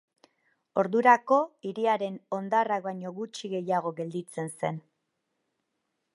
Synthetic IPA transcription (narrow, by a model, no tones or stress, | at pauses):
o̞ɾðuɾako̞iɾiaɾe̞no̞nd̪arak̚baɲo̞ɣut͡ʃiɣe̞jaɣ̞o̞ɣe̞ld̪it͡se̞nse̞n